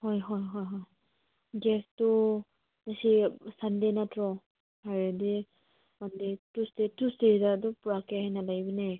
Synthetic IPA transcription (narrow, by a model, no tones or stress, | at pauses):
hɔjɦɔjɦɔjɦɔj | ɡɛstu | nasisandenatʰɾɔ | haɹadi | manditustetusteidaːdɔpuɹakeɦajnalajbɯne